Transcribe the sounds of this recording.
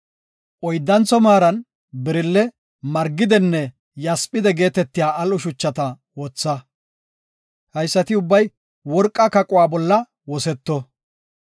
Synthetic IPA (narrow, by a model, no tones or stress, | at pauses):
ʔɔjd̪ːɐnt͡sːɔmaːɾɐn | bɛɾɪlːɛ | mɐɾɡːɪd̪ɛnːɛ | jɐspʼːɪd̪ɛɡe̞ːt̪ɛt̪ːɪjaːʔɐlʊʃʊt͡ʃːɐt̪ɐ | wɔt͡sːɐ | hɐjsːɐt̪ɪʊbːɐj | wɔɾkʼːɐkɐkʼʊwaːbɔlːɐ | wɔsɛt̪ːɔ